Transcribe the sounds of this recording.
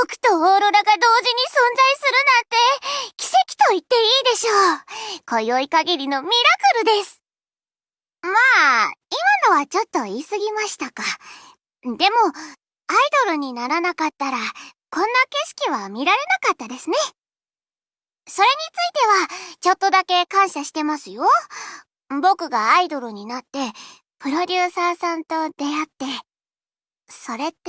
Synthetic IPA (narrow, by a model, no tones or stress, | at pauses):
okɯ̟̥t̪o̞oːɾoɾaɡad̪o̞ːʑiɲ̟isõ̞nzaisɨɾɯ̟nãnt̪e̞kʲi̥se̞kʲi̥t̪o̞it̪ːe̞iːd̪e̞ɕo̞ːko̞jo̞ikaɡʲiɾʲino̞mʲiɾakɯ̟ɾɯ̟d̪e̞sɨ̥ | maːimano̞βat͡ɕo̞t̪ːo̞isɨɡʲimaɕi̥t̪aka | d̪e̞mo̞ | aid̪o̞ɾɯ̟ɲ̟inaɾanakat̪ːaɾakõ̞nːake̞ɕi̥kʲiβamʲiɾaɾe̞nakat̪ːad̪e̞sɨne̞ | so̞ɾe̞ɲ̟it͡sɨit̪e̞βat͡ɕo̞t̪ːo̞d̪ake̞kãɰ̃ɕaɕi̥t̪e̞masɨjo̞ | bo̞kɯ̟ɡaːid̪o̞ɾɯ̟ɲ̟inat̪ːe̞ | pɯ̟ɾo̞dʲɯːsaːsãnt̪o̞d̪̥e̞at̪ːe̞ | so̞ɾe̞